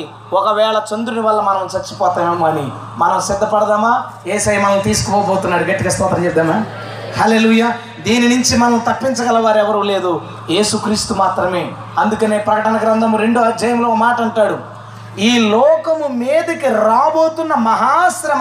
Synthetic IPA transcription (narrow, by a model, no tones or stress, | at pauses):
ɔkɐʋɛːɭɐt͡ʃond̪uɾuniʋɐlːɐmɐnɐmt͡ʃɐɾt͡ʃːu̥pɔːt̪aːmemɐni | mɐnɐmsid̪ːɐpɐɽɐd̪aːmaː | eːsɐjmɐnɐmt̪iːsu̥kupɔːboːt̪unːaːɽuɡɐʈːikɐst̪ɐːt̪ɐɐt͡ʃɛp̚d̪aːmaː | hɐleːluːjaː | d̪iːninuɲt͡ʃimɐnɐmt̪ɐpːiɲt͡ʃɐɡɐlɐʋaːɾɛʋɐɾule̞ːd̪u | je̞ːsukɾiːst̪umaːt̪ɾɐme̞ː | ɐnd̪ukɐne̞ːpɾɐkɐʈɐnɐkɾɐnd̪ɐmuɾe̞ɳɖod͡ʒɐjɐmloːɔkɐmaːʈɐɐɳʈaːɽu | iːlɔːkɐmumeːd̪ɐkiɾaːbo̞ːt̪unːɐmɐɦaːsɐɾɐm